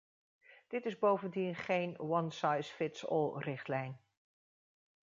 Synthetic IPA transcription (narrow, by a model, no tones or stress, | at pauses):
d̥ɪtɪzbowvəndinχejnwɑnsɑjsfɪtsɔ̰lˠrɪχtlɛjn